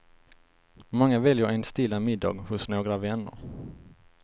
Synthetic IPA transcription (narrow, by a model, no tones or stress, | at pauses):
mɔŋːavɛljəɾɛnst̪ɪlːamɪd̪ːɑ̰ːɡhʊsnoːɡɾavɛnːə̰ɾ